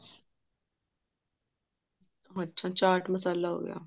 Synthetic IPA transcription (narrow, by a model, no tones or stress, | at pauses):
oətːt͡ʃʰãːt͡ʃaːɾʈməsaːlaːɦo̰ːɡɪ̰ja̰ː